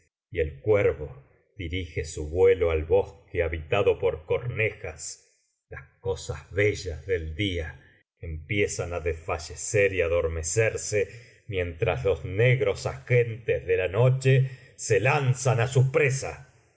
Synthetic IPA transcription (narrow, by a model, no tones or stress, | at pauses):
ielkweɾβo̞ | ð̥iɾixesuβwe̞loalβo̞skeaβit̪aðo̞po̞ɾkoɾnexas | lasko̞sa̰zβeʒazðe̞ld̪ia | empje̞sanaðesfaʒeseɾiaðo̞ɾme̞seɾse | mje̞nt̪ɾaslo̞zneɣɾo̞saxent̪ezðe̞lanot͡ʃese̞lansanasupɾesa